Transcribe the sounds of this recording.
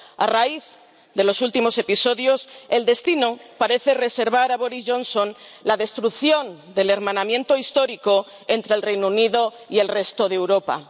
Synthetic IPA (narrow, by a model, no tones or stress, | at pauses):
a̰raiθ | ðe̞lo̞sult̪imo̞se̞piso̞ðjose̞ld̪e̞st̪inopaɾe̞θe̞re̞se̞ɾβ̞aɾaβo̞ɾizʝo̞nsõnlaðe̞st̪ɾuθjo̞nd̪e̞le̞ɾmãnamjẽ̞nt̪o̞ist̪o̞ɾiko̞ | ent̪ɾelrejnouniðo̞ | ie̞lre̞st̪o̞ðewɾo̞pa̰